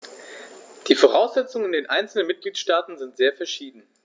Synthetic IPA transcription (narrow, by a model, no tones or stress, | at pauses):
d̥iːfoʁaʊsz̥ɛt͡sʊŋəɪndeːnʔaɪnt͡sl̩nənmɪt̚ɡ̥liːtʃtaːtn̩zɪntz̥eːɐfɛɐʃiːdn̩